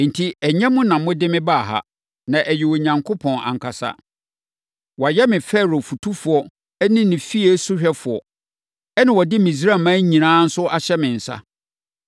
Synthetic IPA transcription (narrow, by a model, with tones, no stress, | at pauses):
n̩˨tʰi˦ɛ˨ɲɛ̃˦mʊ̃˦nã˨m˦mʊ̃˦dɪ˦mɪ̃˦ba˦˨ɦa̰˨ | nã˨ʔæ˨jɪ˨wo˨ɲã˨ŋkʰo˦pʰɔ̃˨na̰˨ŋkʰa˨sa̰˦ | wɔ˨jɛ˦mɪ̃˨fɛ˦˨ɾo˨fu˨tʰu˦fʊ˨ɔ˦ | ɛ˦nɪ̃˦nɪ̃˨fi˦e˦su˦ɕᶣɛ˦fʊ˨ɔ˨ | ɛ˦nɪ̃˨wɔ˨dɪ˦mĩ˨s̬ɾa˦˨mã˦ɲĩ˨nãː˦n̩˦sʊ˦ʔa˨ɕɛ˦mɪ̃˨n̩˨sa̰˦